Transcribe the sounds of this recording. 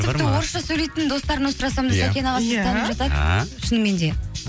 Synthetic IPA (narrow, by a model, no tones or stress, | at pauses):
t̪ɪp̪̚ɪwo̞ɾəsʃɑsɵjle̞jt̪ɪnd̪o̞st̪ɑɾənosɾɑsɑmd̪ɪsaenɑʁɑset̪ʰɑnpʒɑt̪ɑt̪ʃənme̞nd̪e̞